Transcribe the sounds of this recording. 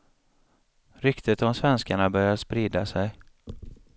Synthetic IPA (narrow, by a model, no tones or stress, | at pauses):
ɾʏkt̪ʰət̪ɔmsvɛnskaɳabœɾjaspɾiːd̪asɛj